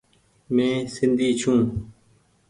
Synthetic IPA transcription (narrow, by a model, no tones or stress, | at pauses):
mẽːsɪnd̪ʱiːt͡ʃʰũː